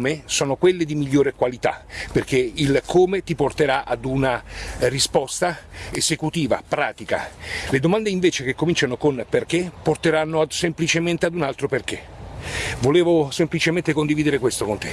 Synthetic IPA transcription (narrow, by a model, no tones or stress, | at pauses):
mesɔːnokwelːed̪imiʎːoːɾekwalit̪a̰perk̟eilkʰoːmet̪iport̪eɾaʔa̰d̪unarispɔst̪aezekut̪iːva̰pɾa̰ːt̪ika̰led̪omand̪eiɱveːt͡ʃekekːomint͡ʃanokonperk̟epːort̪eɾanːosemplit͡ʃement̪ead̪unalt̪ɾoperk̟e | voleːvosemplit͡ʃement̪ekond̪iviːd̪eɾekwest̪okont̪e̥